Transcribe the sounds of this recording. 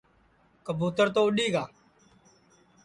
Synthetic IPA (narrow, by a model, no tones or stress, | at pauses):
kəbuːt̪əɾt̪oːəɗiːɡaː